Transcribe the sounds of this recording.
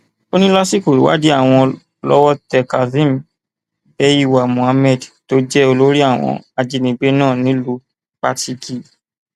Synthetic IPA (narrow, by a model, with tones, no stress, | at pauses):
o˦nĩ˦lɔ˦si˦˨ko˨ɾi˨˦wa̰˦di˦a˦˨w̃ɔ̃˧ | lɔ˦wɔ˦tɛ˨ka˨zĩ˦m˨ | bɛ˧˦ji˦˧˨wa˨mũ˨a˧mɛ˦˨dto˨˦d͡ʒɛ˦o˧lo˦ɾi˦a˦˨w̃ɔ̰̃˧a˨˧d͡ʒi˨˧nĩ˨˧˦ɡ͡be˦nãː˦˨nĩ˦lu˦ | k͡pa˦tʰi˧ki˨